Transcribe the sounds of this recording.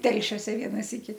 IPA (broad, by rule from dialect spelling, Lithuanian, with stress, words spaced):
ˈtʲɛlʲʃʲoːsʲɛ ˈʋʲiɛnɐ ˈsʲiːkʲɪ